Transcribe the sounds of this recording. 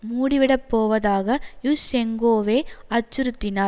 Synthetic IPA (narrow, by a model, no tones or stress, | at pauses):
muːɽɪʋɪɽɐpːoːʋɐðaːɣɐjusɛŋɡoːʋeːɐt͡ʃːɯɾɯt̪ːɪnaː